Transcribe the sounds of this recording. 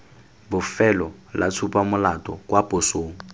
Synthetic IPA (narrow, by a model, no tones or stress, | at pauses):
bʊfɛlɔla̰t͡sʰupʼamʊlatʼɔkʼwapʼosoːŋ̩